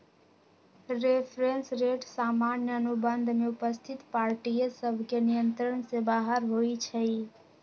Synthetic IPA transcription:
ɾepʰɾensɾeʈsamanjəənubənd̪ʱmeupəst̪ʰit̪paɾʈijsəbʱkenijənt̪ɾəɳsẽbaɦəɾɦojt͡ʃʰəj

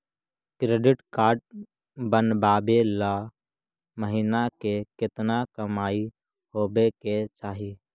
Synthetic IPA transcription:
kɾeːɖɪʈkaːɾʈ̚ | bənbaːbela | məɦiːnakekɪt̪nakəmaːi | hoːbeket͡ʃaːɦiː

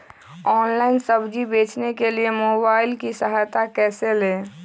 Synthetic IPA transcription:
ɔːnlaɪnsəbd͡ʒibeːt͡ʃnekeliemoːbaːɪlkisəɦaːjt̪akɛːseleː

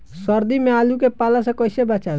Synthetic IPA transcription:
swəɾd̪imealukepalasẽkəjsebət͡ʃa

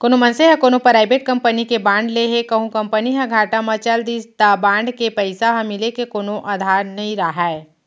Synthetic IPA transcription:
koːnomɐnseɦɛ̃koːnopɾaːɪbeːʈ̚kɐ̃mpənikebãːɳɖleɦekɐɦũkɐ̃mpəniɦɐ̃ɡʱaːʈamɐ̃t͡ʃɐld̪iːd͡ʒt̪abãːɳɖkepɛɪsaɦɐ̃mɪlekekoːnoʔad̪ʱaːɾnɐɦĩɾaɦae

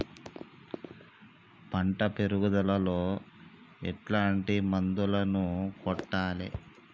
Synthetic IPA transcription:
pɐɳʈɐpeɾuɡud̪ɐlɐlo̞ː | ɛ̰ʈlaːɳʈimɐnd̪ulɐnukɔʈːaːlḭ

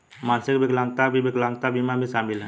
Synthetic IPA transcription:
maːnsɪkbɪklãŋɡt̪abʱibɪklãːŋɡ̚t̪abimabʱiʃaːmɪlɦɛ̰̃ː

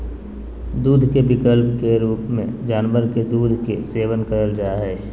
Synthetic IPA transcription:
d̪uːd̪ʱkebɪkəlpkeɾuːpmḛ̃d͡ʒaːnʋəɾked̪uːd̪ʱkeseːʋənkəɾəld͡ʒaːɦɛː

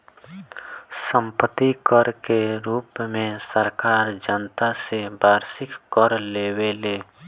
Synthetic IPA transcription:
sə̃mpət̪ikəɾkeɾuːpmẽsəɾkaːɾd͡ʒənt̪asebaːɾsɪkːəɾleːweleː

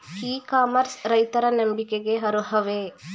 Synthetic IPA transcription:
hiːkaːmɐɾsɾɐjt̪ɐɾɐnɐmbikeɡeɦɐɾuɦɐʋe

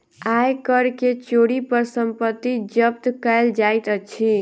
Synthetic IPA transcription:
ajkəɾket͡ʃoɽipəɾsəmpət̪ːid͡ʒəp̚t̪kəld͡ʒajt̪ət͡ʃʰi

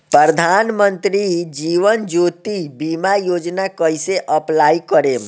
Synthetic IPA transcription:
pɾəɾəd̪ʱanmənt̪ɾid͡ʒiʋənd͡ʒot̪ibimajod͡ʒnakəjseʔəplaikəɾe

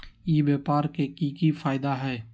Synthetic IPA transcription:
iːbeːpaːɾkeːkiːkifʰaːɪd̪aːɦɛː

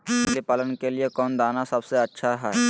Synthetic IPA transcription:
slipaːlənkeliekɔːnd̪aːnasɐbseɐtːʃʰaɦɛ

